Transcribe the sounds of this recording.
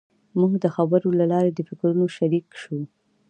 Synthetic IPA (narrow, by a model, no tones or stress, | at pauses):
muɡd̪əxabəɾolalɑɾed̪əfɪkɾunoʃaɾikʃu